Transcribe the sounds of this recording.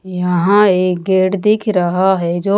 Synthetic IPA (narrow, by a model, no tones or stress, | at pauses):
jəɦãːeːkɡeːʈd̪ɪkʰɾəɦaːɦɛːd͡ʒoː